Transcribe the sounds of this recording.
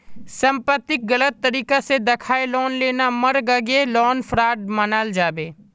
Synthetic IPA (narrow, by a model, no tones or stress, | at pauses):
sə̃mpət̪ːɪk̚ɡɐlət̪ːəɾiːkased̪ɐkʰaːelɔːnleːnaməɾɡəɡelɔːnpʰɾaːʈmənaːld͡ʒaːbeː